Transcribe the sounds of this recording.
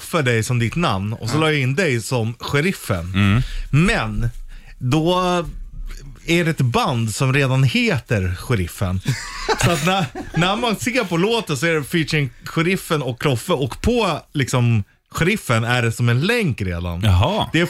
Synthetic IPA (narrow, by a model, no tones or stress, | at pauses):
fːəɖɛjsɔmd̪ɪt̪na̰mnɔ̰sɔlɑːjaɪnd̪ɛjsɔmɧɛɾɪfːə̰nmɛn | d̪ɔ | æɖɛɛt̪band̪sɔmɾeːd̪anheːt̪əɾɧɛɾɪfːə̰nsɔat̪nænæɾmanseːɾpɔloːt̪əns̬ɔæɖɛfiːʂɪnɧɛɾɪfːənɔkʰːlɔfːəɔkpʰɔlɪksɔm | ɧɛɾɪfːənæɖɛsɔmɛnlɛŋkɾḛːd̪a̰nɦɑd̪ɛæ